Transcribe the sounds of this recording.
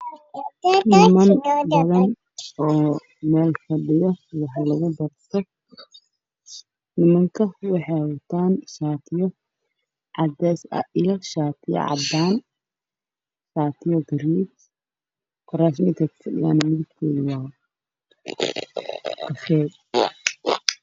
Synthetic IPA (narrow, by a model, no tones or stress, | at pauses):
nɪmɐnbɐðɐn | ɔː | mɛːlfɐɖɪjɔwɑħɑlɐɣʊbɐrt̪ʰɔ | nɪmɐŋkʰɐwɑħɑwʊt̪ʰaːnʃaːt̪ʰɪjɔ | ʕɑd̪ɛːsɐ̰ʔɪjɔʃaːt̪ʰɪjɐ̰ʕɑ̰d̪aːn | ʃaːt̪ʰɪjɔɡɐɾiːd | kʰʊɾaːs̬mɪt̪kʰɐkʰɐ̥fɐɖɪ̰ja̰ːnɐmɪðɪb̚t̪ʰɛːðɪwɑː | kɐfɛːd̪